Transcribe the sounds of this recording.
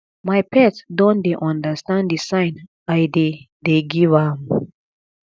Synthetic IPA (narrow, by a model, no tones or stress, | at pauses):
majpʰɛtdɔ̃ndeʔɔ̃ndəstãnddisãɪ̃n | ajde | deɡivam